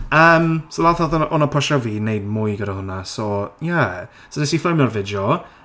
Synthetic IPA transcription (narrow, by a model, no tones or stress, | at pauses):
əːmsolaθɔðʔɔnapʰɔʃɔviːnejd̚mʊjɡədahʊnasɔja | sodɛsifɪmjɔrvɪdɔ